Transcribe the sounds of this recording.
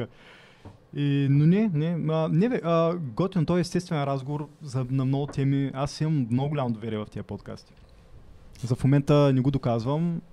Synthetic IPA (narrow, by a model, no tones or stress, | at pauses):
ɛnonɛnɛənɛvɛʔəɡɔt̪inot̪ɔjɛst̪ɛst̪vɛnjəɾazɡovoɾzɐnɐmnɔɡʊt̪ʲɛmiasimɐmnoɡɡʊlʲamod̪ovɛɾiɛvɐft̪ʲɛəpot̪ka̰st̪i̥ | zɐfmomɛnt̪ənɛɡod̪okazvəm